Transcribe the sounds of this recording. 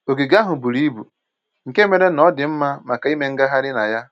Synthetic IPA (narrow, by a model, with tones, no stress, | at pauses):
o˨ɡi˨ɡa˦ɦʊ˨bu˨ɾi˦bṵ˨ | ŋ̩˨ke˦me˨ɾe˦nɔ˦dɪ˨m̩˦ma˦ma˨ka˨i˦me˨ŋ̩˦ɡa˦ɦa˦ɾɪ˦na˨ja˦